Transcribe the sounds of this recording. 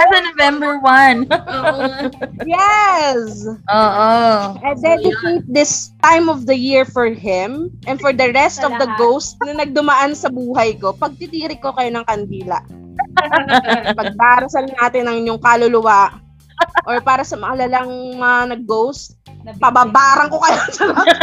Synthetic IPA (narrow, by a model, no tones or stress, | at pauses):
sɐnovɛ̃mbəɹwɐn | jɛsʔoːʔoʔɛnd̪ɛnjut̪ɪŋk̚d̪ɪst̪ajmɔvd̪ɐjiɹfɔɹɦɪ̃mʔɛ̃nfɔɹd̪ɐɹɛst̪ɔvd̪ɐɡowst̪̚nɐnɐɡ̚d̪ʊmɐʔansɐbuːɦɐjko̞pɐɡ̚t̪it̪iːɾɪkokɐjo̞nɐŋkɐnd̪iːlɐ̰ʔ | pɐɡ̚t̪aːɾɐsɐlɐŋnaːt̪ɪnɐŋɪɲjoŋkaːlʊlʊwaʔ | ʔɔɹpaːɾɐsɐmɐŋalɐlɐŋmɐɐanɐɡ̚ːowst̪̚pɐbaːbaːɾɐŋko̞kɐjosɐma